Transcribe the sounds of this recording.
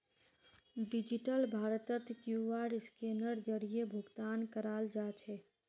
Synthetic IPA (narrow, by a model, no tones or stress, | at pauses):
ɖid͡ʒiʈəlbʱaɾət̪ət̪kjuʋaɽskenəɾd͡ʒəɽijebʱuɡt̪ankəɾald͡ʒat͡ʃʰɛ